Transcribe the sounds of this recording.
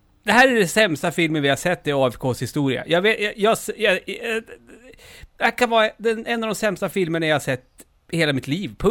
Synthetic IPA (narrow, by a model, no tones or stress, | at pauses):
d̪̥ɛɦæːɾæɖɛnsɛmst̪afɪlmənvɪhasɛt̪ːɪɑːɛfkʰoːshɪst̪uːɾɪa̰jɑːveːjjɑsjɑ | dækʰanvɑːɾad̪ɛnɛnːɑːvd̪ɔmsɛmst̪afɪlməɳajahasɛt̪ː | heːlamɪt̪liːvpʰɵ